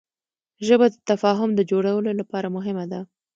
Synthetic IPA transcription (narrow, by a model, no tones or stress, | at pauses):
ʒəbad̪ət̪afɑɦʊmd̪əd͡ʒoɽawəlolapɑɾamʊɦɪmad̪a